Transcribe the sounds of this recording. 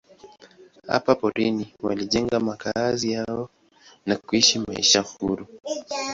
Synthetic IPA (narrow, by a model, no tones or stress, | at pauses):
ha̰papɔɾiniwaliʄɛŋɡamakʰazijaɔ | nakuiʃimaḭʃahuɾu